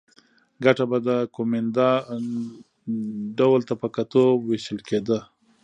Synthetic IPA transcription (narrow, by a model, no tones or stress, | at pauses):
ɡaʈabad̪əkomend̪a | ɖawəlt̪apəkat̪oweʃəlkʰed̪ə